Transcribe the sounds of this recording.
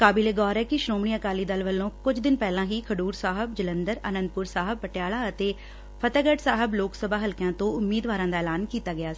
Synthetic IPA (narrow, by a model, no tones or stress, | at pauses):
kaːbileːɡɔːɾɛːkɪʃɾoːmɳiːəkaːliːd̪əlʋəlːõːkʊd͡ʒd̪ɪnpɛːlãːɦiːkʰəɖuːɾsaːɦəbd͡ʒələ̃nd̪əɾənə̃nd̪̚pʊɾsaːɦəb̚pəʈjaːlaːət̪eː | pʰət̪əːɡəʈsaːɦəbloːksəbaːɦəlkãːt̪õːʊmːiːd̪ʋaːɾãːd̪aːɛːlaːnkiːt̪aːɡɪjaː